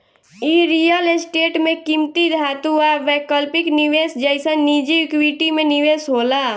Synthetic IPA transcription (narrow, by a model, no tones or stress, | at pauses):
iɾijəlesʈeːʈmẽkimt̪id̪ʱaːt̪uaʋɛkəlpɪkniʋeːsd͡ʒəɪsə̃nid͡ʒikwiʈimẽnɪʋeːsɦoːlaː